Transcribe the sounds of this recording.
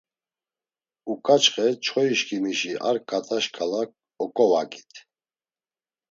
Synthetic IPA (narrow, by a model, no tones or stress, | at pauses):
ukʼat͡ʃʰχɛt͡ʃʰɔiʃkʰʼimiʃiʔa̰ɾkʼat̪ʼaʃkʼalak̚ | ɔkʼɔvakʼi̥t̪ʰ